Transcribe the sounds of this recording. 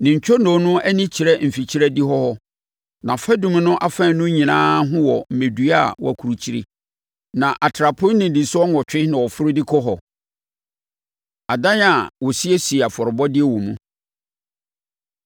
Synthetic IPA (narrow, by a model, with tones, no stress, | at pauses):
nɪ̃˨ɲ̩˨t͡ɕᶣɔ˦nõ˨˦nʊ̃˦æ˦nĩ˦t͡ɕʰi˨ɾɛ˦m̩˨fi˨t͡ɕʰi˦ɾɛ˦dɪ˦ɦɔ˦hɔ˦ | nã˨fɛ˦dũ˨˦m̃˨nʊ̃˦ʔa˨fɛ̃˦˨˦nʊ̃˦ɲĩ˨nãː˦ɦʊ̃˦wɔ˨m̩˨mẽ˨dɥa˦˨wɔ̰˨æ˨kʰu˨ɾu˨t͡ɕʰi˦ɾḭ˦ | nã˨ʔa˨tʰɾa˨pʰʊ̃˦nɪ̃˨dĩ˨sʊ˦ɔ˦ŋɔ˨t͡ɕᶣɪ˦nã˨wɔ˨fʊ˦ɾɪ˦dɪ˦kʰɔ˦ɦɔ˨ | a˨dã˦n˦a˨wɔ˨si˦ɛ˦si˨e˨a˨fɔ˨ɾɪ˨bɔ˦dɪ˦ɛ˦wɔ̃˨mũ˦